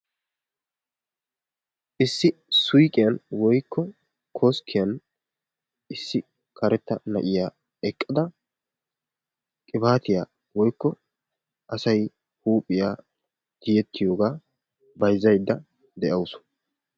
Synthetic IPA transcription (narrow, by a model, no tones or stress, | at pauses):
ʔɪsːɪsʊjkʼɪjɐnwɔjkːɔ | kʰoːskʰːɪjɐn | ɪsːɪ | kʰɐɾɛt̪ːɐnɐʔɪjaː | ɛkʼːɐd̪ɐ | kʼɪbaːt̪ɪjaː | wɔjkːɔ | ʔɐsɐj | huːpʼːɪjaː | d̪̥ɪjɛt̪ːɪjo̞ːɡaː | bɐjzːɐjd̪ːɐ | d̪ɛʔɐwʊsʊ̥